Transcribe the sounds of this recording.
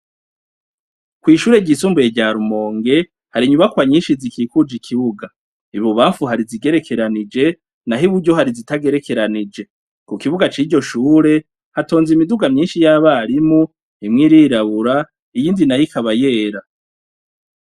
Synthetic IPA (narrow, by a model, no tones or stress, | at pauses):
kwiːʃuːɾe̞ɟisuːmbujeɟaɾumo̞ːŋɡe̞ | haɾiɲumakwaɲiːnʃizikʰiːkud͡ʒikʰiβuɡa | iβoβaːɱfuɦaɾiziɡe̞ɾe̞kʰe̞ɾanid͡ʒe̞ | naɦiβuɾɟo̞ɦaɾizitaɡe̞ɾe̞kʰe̞ɾanid͡ʒe̞ | kukiβuɡat͡ʃiɟo̞ʃuːɾe̞ | hato̞ːnzimiduɡamɲiːnʃijaːβaɾimu | imŋiɾiːɾaβuɾa | ijiːndinajikʰaβajeːɾa